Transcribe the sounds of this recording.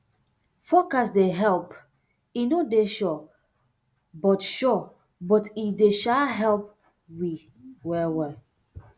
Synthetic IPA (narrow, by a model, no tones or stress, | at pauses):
fokasdeɦɛlp | inodeʃɔ | bɔtʃɔ | bɔtideʃaɦɛlp̚ | wi | wɛwɛl